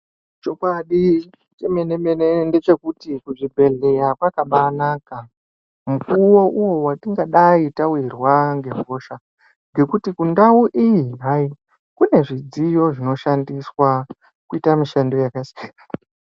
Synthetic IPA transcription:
t͡ʃo̞kwaɗi | t͡ʃemenemenende̞t͡ʃe̞kutikuʐibʱe̞ɮe̞ɾakwakaɓanaːka | mukuwo̞ʔuwo̞watiŋɡaɗaitawirwaŋɡe̞ɦo̞ʃa | ŋɡe̞kutikundauʔijiɦai | kune̞ʐid͡zijo̞ʐino̞ʃandiswa | kuitamiʃando̞jakasi̥aa

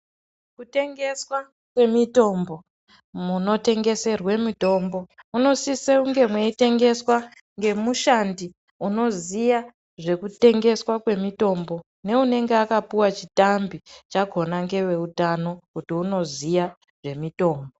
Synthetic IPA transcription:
kute̞ŋɡe̞swa | kwe̞mito̞mbo̞ | muno̞te̞ŋɡe̞se̞rwe̞mito̞mbo̞uno̞siseuŋɡe̞mwe̞ite̞ŋɡe̞swa | ŋɡe̞muʃandi | uno̞zija | ʐe̞kute̞ŋɡe̞swakwe̞mito̞mbo̞ | ne̞une̞ŋɡeakapuwat͡ʃitambit͡ʃaɡʱo̞naŋɡe̞we̞utano̞kutiuno̞zija | ʐe̞mito̞ːmbo

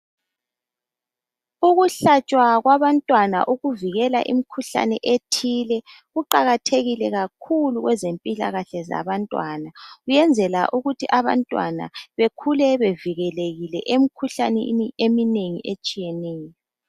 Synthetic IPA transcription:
uɣuɬat͡ʃʼwaɣwaβantʼwana̰ʔuɣuviɣɛla̰ʔḭmikʰuɬa̰nɛ̰ʔetʰilɛ | ɣuǃaɣatʰeɣilɛɣakʰuluɣwɛzempʼila̰ɣaɬɛza̰βantʼwanaɣujɛnd͡zʱɛlaʔuɣutʰiʔaβa̰ntʼwa̰na̰βekʰulɛβeviɣɛleɣilɛʔemikʰuɬanɛ̰niemineŋḭʔet͡ʃʼijɛnɛːjɔ

